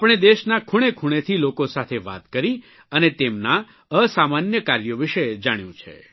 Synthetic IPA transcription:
apɽ̃ed̪eʃnakʰuɽ̃ekʰuɽ̃et̪ʰilokosat̪ʰeʋa̰t̪kəɾi | ənet̪emna | əsamanjəkaɾjoʋɪʃed͡ʒaɽ̃jũt͡ʃʰḛ

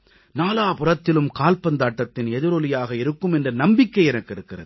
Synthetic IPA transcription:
naːlaːpʊrɐt̪ːɪlɯmkaːlpɐnd̪aːʈːɐt̪ːɪnɛðɪɾɔlɪjaːɣɐɪɾɯkːɯmɛndrɐnɐmbɪkːɐɪɛnɐkːɪɾɯkːɪrɐ̰ðɯ

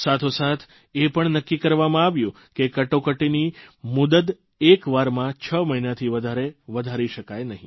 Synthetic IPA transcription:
sat̪ʰosat̪ʰ | epəɳnəkːikəɾʋamãaʋjũ | kekəʈokəʈinimʊd̪əd̪ | ekʋaɾmãt͡ʃʰəməɦinat̪ʰiʋəd̪ʱaɾeʋəd̪ʱaɾiʃəkajnəɦĩ

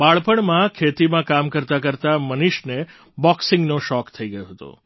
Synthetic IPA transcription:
baɭpəɳmãkʰet̪imãkamkəɾt̪akəɾt̪aməniʃne | bɔksɪ̃ŋɡnoʃɔkt̪ʰəiɡəjoɦət̪o̰

